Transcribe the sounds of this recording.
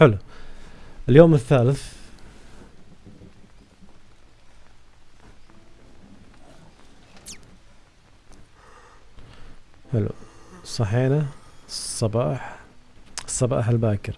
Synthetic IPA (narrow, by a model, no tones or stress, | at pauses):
ħɪlu | ʔɪljoːmɪθːaːlɪθ | ħɪlṵsˤɑħiːnasˤːɑbɑːħ | ɨsˤːɑbɑ̰ːħɪlbaːkɪɾ